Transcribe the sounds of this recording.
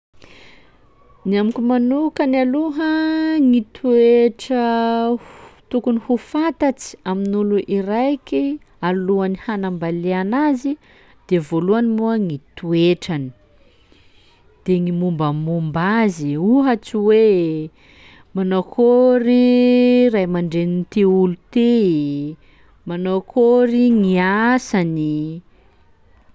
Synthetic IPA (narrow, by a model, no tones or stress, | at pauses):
niamikʲumanukənaluɦəŋit̪ʰueʈ͡ʂə | t̪ukunihufat̪at͡si̥aminuluʔiɾajkʲi | aluanihanambaleanazi | d̪̥evoluanimuaŋit̪ueʈ͡ʂani̥ | d̪̥eŋimumbəmumbaziuɦat͡siwe | manakʰoɾi | rajmaɳɖ͡ʐenint̪eulut̪e | manokʰoɾiŋiasani